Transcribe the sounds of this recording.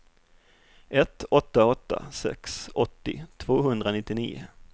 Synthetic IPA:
ʔɛt̪ːɔt̪ːaɔt̪ːa̰sɛ̰ksɔt̪ːɪ̰t̪ʰvoːɦɵnd̪ɾanɪt̪ːɪniːʊ̰

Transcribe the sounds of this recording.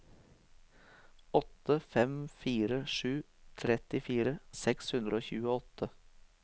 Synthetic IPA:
ɔt̪əfɛmfiːɾəʃʉː | t̪ʰɾɛt̪ɪfiːɾəsɛkshʉnd̪ɾəoːçʉːəɔt̪ə

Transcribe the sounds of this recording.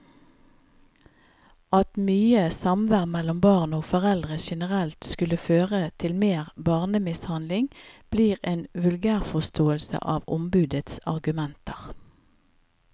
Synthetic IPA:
ɑt̪myːəsɑmʋæʁmɛlɔmbɑːʁnoːɡfɔʁɛld̪ʁəʃɛnəʁɛlt̪skʉləføːʁət̪ʰɪlmeːʁbɑːʁnəmɪshɑnlɪŋb̥liːʁeːnʋʉlɡæːʁfɔʁst̪ʰoːəlsə̰ʔɑːʋʊ̰mbʉːd̪ət̪sɑ̰ʁɡʉmɛnt̪əʁ

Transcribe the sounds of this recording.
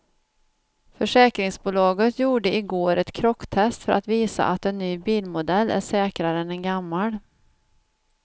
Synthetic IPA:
fœʂɛːkɾɪŋsbʊlɑːɡət̪ʰjuːɖəɪɡoːɾɛt̪kʰɾɔkːt̪ʰɛst̪fœɾʔat̪viːsa̰ʔat̪ɛnːyːbiːlmʊd̪ɛlːæ̰ʂɛːkɾaɾəɛnɛnɡamːaɽ

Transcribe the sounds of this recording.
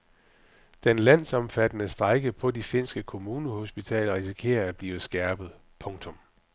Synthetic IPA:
d̥enlæn̰sɒ̽mfæd̥ənəsd̥ʁɑ̈ɪɡ̥əpʰɒ̽dife̝n̰sɡ̥əkʰo̝muːnəho̝sb̥it͡sʰɛ̰ːlɐʁisikʰe̝̰ːɐæd̥̚b̥liːʊsɡ̥æɐb̥ð̩ˠ | pʰɔ̽ŋt͡sʰɔ̽m

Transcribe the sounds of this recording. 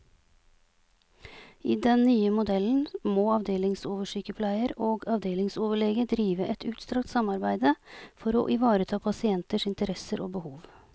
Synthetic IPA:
iːd̪ɛnnyːəmʊd̪ɛln̩moːɑʋd̪eːlɪŋsoːʋəʂyːkəpʰlæɪəɾoːɡɑʋd̪eːlɪŋsoːʋəɭeːɡəd̪ɾiːʋəʔɛt̪ʰʉːt̪st̪ɾɑkt̪sɑmɑɾbæɪd̪əfɔɾo̰ːʔɪʋɑːɾət̪ʰɑːpʰɑsɪɛnt̪əʂɪnt̪əɾɛsəɾʔoːbəhuːʋ

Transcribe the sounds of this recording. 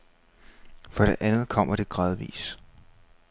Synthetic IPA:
fɒ̽ɾ̥e̝ʔænð̞̩ˠkʰɒ̽m̰ɐɾ̥e̝ɡ̥ʁɑð̞ˠʋḭːs

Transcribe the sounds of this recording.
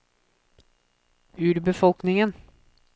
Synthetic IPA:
ʉːɾbəfɔlknɪŋən

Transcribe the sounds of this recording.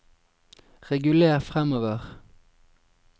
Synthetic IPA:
ʁɛɡʉleːʁfʁɛmoːʋəʁ

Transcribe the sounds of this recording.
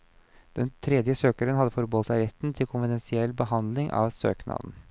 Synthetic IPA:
d̪̥ɛnt̪ʰɾɛd̪jəsøːkəɾənhɑd̪ːəfɔɾbɔːlsɑɪɾɛt̪ːn̩t̪ʰɪlkʰʊnfɪd̪ɛnsɪɛlːbəhɑnd̪lɪŋʔɑ̰ʋsø̰ːknʔɑ̰ːd̪n̩

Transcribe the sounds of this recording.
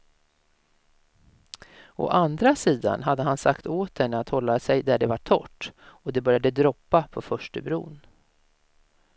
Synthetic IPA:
ɔ̰ʔand̪ɾasiːd̪a̰nɦad̪ːəɦansakt̪oːt̪̚d̪ɛnːəat̪hɔlːasɛjd̪æɖɛvaʈʰɔ̰ʈːɔd̪ɛbœɾjad̪əd̪ɾɔpːapʰɔfœʂʈəbɾṵːn

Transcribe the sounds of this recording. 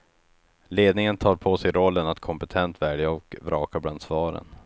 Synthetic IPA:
leːd̪nɪŋənt̪ʰɑːɾpʰoːsɛjɾɔlːənat̪kʰɔmpɛt̪ʰɛnt̪væːɖjaɔkvɾɑːkabland̪svɑːɾə̰n

